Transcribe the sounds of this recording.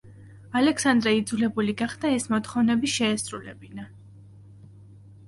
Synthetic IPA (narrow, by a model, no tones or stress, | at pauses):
alɛksand̪ɾɛid̪zulɛbuliɡaχd̪̥aɛsmɔt̪χɔvnɛbiʃɛːsɾṵlɛ̰bina